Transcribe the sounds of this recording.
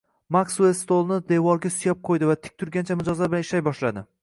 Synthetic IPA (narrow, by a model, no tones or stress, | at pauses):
maksuest̪olˠnɪd̪e̞vɒɾɡʲasʊjap̚qʰojd̪ɪvat̪ʰɪ̥k̚ʲt̪ʰʊɾɡʲant͡ʃʰamɪd͡ʒɒzlaɾbɪlanɪʃajbɒʃlad̪ɪ